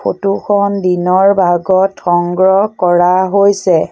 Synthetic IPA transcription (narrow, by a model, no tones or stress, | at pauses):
pʰotuxɔndinɔɹbʱaɡɔtxɔŋɡɹɔkɔɹaɦojsɛ